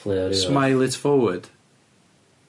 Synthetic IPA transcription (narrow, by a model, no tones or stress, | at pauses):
lsmaɪlˠɪtfɔwə˞d̥